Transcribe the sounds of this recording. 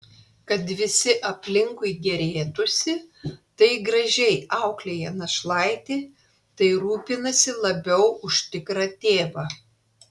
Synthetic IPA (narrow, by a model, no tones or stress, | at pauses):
kɐt̪ʋʲɪsʲɪʔɐpʲlʲɪŋkʊɪɡʲɛɾʲeːt̪ʊsʲɪt̪ɐɪɡɾɐʒʲɛɪɑʊklʲeːjɛnɐʃlˠɐɪt̪ʲiː | t̪ɐɪɾuːpʲɪnɐsʲɪlˠɐbʲɛʊʊʃʲt̪ʲɪkɾɐt̪ʲeːʋɐ